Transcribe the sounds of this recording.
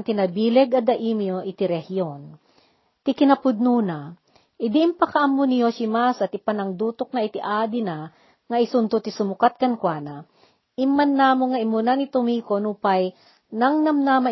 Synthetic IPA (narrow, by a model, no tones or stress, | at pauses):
t̪inɐbiːlɛɡɐd̪ɐʔimjoʔɪt̪ɪɾɛhijon | t̪ɪkɪnɐpʊd̪̚nuːna | ʔɪd̪iʔɪmpɐkɐʔamːonɪjoʃɪmasɐt̪ɪpanɐŋd̪uːt̪ok̚naɪt̪ɪʔaːd̪ɪna | ŋɐʔɪsʊnt̪ʊt̪ɪsʊmʊkat̪̚kɐnkwaːna | imːanːaːmoŋːɐʔɪmʊnanit̪omiːkonupaj | nɐŋnɐmnama